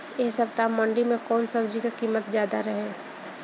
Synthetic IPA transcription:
eːɦsɐb̚t̪amːə̃ɳɖimẽkɔːnsɐb̚d͡ʒikakiːmːət̪zjaːd̪aɾɐɦɛ̃ː

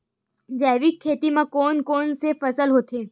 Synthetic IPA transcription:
d͡ʒɛːʋikʰːeːt̪imãkoːnkoːnsefɐsəlɦoːt̪eː

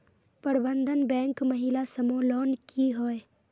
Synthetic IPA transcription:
pəɾbənd̪ʱənbɛ̃ːŋkməɦɪlasəmoːlɔːnkiɦoːe

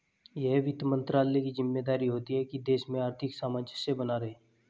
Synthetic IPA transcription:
jɛɦʋɪt̪mə̃nt̪ɾaːlekizɪmːeːd̪aːɾiɦoːt̪iɦɛkid̪eːʃmẽaːɾt̪ʰɪksaːmat͡ʃəsebɐnaɾɐɦeː

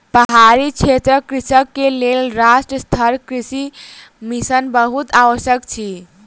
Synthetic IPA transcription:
pəɦaɾikt͡ʃʰet̪ɾəkɾisəkːelelɾasʈɾəst̪ʰəɾkɾisi | misənbəɦut̪aʋəsjəkt͡ʃʰi

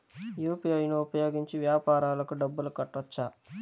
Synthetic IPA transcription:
juːpiɐjnuupɐjo̞ːɡiɲt͡ʃiʋjaːpaːɾaːlɐkuɖɐbːulukɐʈːɐt͡ʃːaː

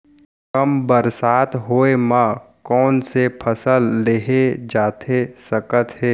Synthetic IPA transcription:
kəmbəɾsaːt̪ɦoːemã | kɔːnsepʰəsəlːeɦed͡ʒaːt̪ʰesəkət̪ɦɛː

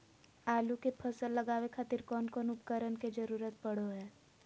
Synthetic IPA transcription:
aːlukepʰəsəlːəɡaːwekʰaːt̪ɪɾkɔːnkɔːnʊpkəɾənked͡ʒəɾuːɾət̪̚pəɽ̤oɦɛː

